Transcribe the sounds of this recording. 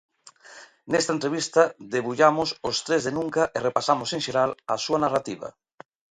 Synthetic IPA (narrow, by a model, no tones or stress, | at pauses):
nest̪aent̪ɾeβ̞ist̪ɐd̪eβuʎamʊsost̪ɾezðenũŋkɐʔerepasamosẽŋʃeɾalasuanarat̪iβɐ̰